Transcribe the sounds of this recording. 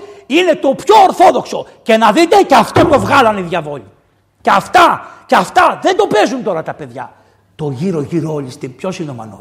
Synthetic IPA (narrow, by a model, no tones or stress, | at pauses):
ine̞t̪o̞pço̞ːɾθo̞ðo̞kso̞ | ce̞nɐðit̪e̞ceɐft̪ot̪o̞vɣɐlɐniðjɐvo̞ʎi | ceɐft̪ɐceɐft̪ɐðe̞nd̪o̞pe̞zunt̪o̞ɾɐt̪ɐpe̞ðʝɐ̰ | t̪o̞ʝiɾo̞ʝiɾoolist̪ipço̞sinomɐ̰no